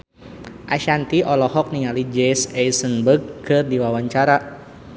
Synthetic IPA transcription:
ʔaʃant̪iʔɔlɔɦɔk̚niŋalid͡ʒɛsɛjsənbərɡ̚kɨrdiwawaɲt͡ʃaɾa

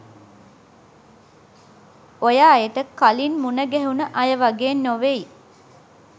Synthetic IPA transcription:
ojaːjət̪əkalinmunəɡɛɦunəʔajəʋaɡeːnːoʋei

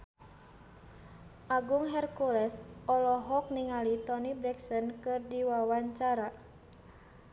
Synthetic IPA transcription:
ʔaɡuŋɦɛrkulɛsɔlɔɦɔk̚niŋalit̪ɔnibɾɛksɔnkɨrdiwawaɲt͡ʃaɾa

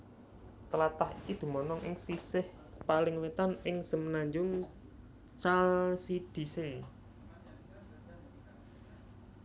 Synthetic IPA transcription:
t̪əlat̪ahikid̪̥ṳmɔnɔŋʔɪŋsisɪh | palɪŋwet̪anɪŋsəmənaɲd͡ʒʊŋ | t͡ʃalsid̪̥i̤se

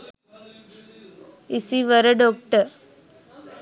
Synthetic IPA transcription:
isiʋəɾəɖoːk̚ʈəɾ

